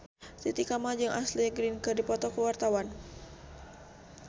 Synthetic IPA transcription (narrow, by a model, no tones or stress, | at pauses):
t̪it̪ikamad͡ʒɨŋʔasliɡɾinkɨrdipɔt̪ɔkəwart̪awan